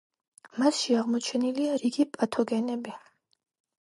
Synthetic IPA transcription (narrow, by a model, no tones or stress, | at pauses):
masʃiaʁmɔt͡ʃʰɛniliaɾiɡipʼat̪ʰɔɡɛnɛbi